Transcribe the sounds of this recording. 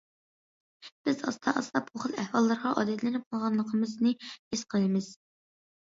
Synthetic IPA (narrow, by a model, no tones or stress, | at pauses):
b̥ɪzɑ̰st̪ʰɑʔɑst̪ɑpʰoχəlˠɛhwɑlˠːɨɾʁɑʔɑ̰ːd̪ɛt̪ʰlɪnɪp̚qʰlˠʁɑnlˠəqʰəmɨznɨesqʰəlˠɨmɨz̥